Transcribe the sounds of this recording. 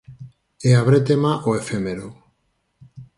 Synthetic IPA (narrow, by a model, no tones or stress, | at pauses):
eaβɾet̪emaʔoefemeɾo